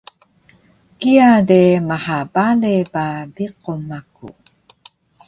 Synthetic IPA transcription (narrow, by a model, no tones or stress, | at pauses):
kiademahabalebabiqomakṵ